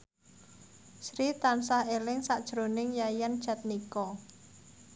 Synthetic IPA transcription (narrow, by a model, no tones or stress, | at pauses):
sɾit̪ansahelɪŋsaʔd̥ʒ̥ɾonɪŋjajand̥ʒ̥a̤t̪̚nikɔ